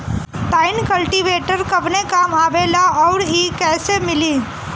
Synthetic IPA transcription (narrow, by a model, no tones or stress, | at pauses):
ʈ̪aːɪnkəlʈiʋeːʈəɾkɐpnekaːmaːʋelaɔːɾɦikɛːsemɪli